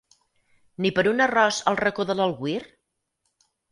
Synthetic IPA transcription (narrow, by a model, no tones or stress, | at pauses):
nipəɾunərɔzəlˠrəkoðələlˠɣwir